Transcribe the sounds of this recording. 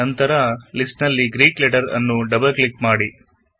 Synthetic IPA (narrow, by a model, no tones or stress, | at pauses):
ɐnt̪ɐɾɐlisʈnɐlːiɡɾiːklɛʈɐɾɐ̰nːuɖɐbɐlklikmaːɽi